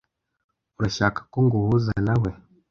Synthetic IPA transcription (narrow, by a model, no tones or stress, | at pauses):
uɾaʃakḁkuŋɡuhuzanawe